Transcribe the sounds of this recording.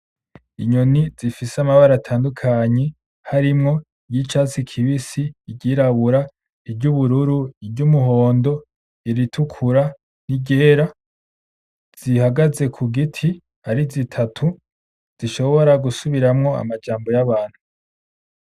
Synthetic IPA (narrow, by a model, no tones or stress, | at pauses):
iɲoniz̥ifiseamaβaɾatʰaːndukʰaɲe̞ | haɾimŋo̞ | ijit͡ʃaːt͡sikʰiβisiːɟiɾaβuɾa | ibɟuβuɾuɾuibɟumuɦo̞ːndo̞ | iɾitʰukʰuɾa | niɟeːɾa | z̥ihaɡaze̞kʰuɡitʰi | aɾizitʰatʰu | z̥iʃo̞βo̞ɾaɡusuβiɾamŋo̞a̰mad͡ʒaːmbo̞jaβaːn̥hu